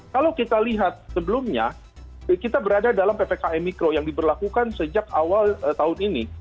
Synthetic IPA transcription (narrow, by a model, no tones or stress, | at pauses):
kalawkit̪aliɦat̪̚səbəlʊmɲa̰ | kit̪abəɾadadalampepekaʔɛmikɾojaŋdibərlakukansəd͡ʒakawalət̪aɦʊnini